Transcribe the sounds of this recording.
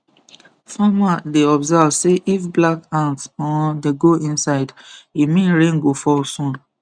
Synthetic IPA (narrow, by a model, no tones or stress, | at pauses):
famadeɔbzavseʔifblakãnsɔ̃ndeɡoĩnsaɪdimĩnɹẽŋɡofɔsɔ̃n